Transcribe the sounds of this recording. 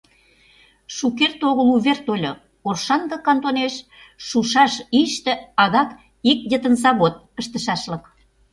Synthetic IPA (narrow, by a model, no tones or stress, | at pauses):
ʃukert̪oɣəluβert̪olʲo | orʃɑnɡɑkɑnt̪oneʃ | ʃuʃɑʃiʃt̪ĕɑðɑk | ik̚d̪ə̆t̪ənsɑβot̪̚kə̆ʃt̪ə̆ʃɑʃlə̆k